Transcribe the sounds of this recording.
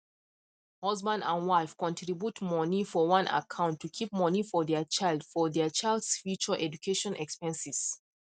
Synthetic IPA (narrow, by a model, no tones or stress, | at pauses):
hɔzbãndãnwaɪfkɔ̃ntʰɹibjutmɔnifɔwãnʔa̰kʰãʊ̃ntʰːukʰip̚mɔnifɔðɛt͡ʃaɪlˠdfɔdɛt͡ʃaɪldsfjut͡ʃəʔɛd͡ʒukʰeʃɔ̃nʔɛkspɛ̃nsis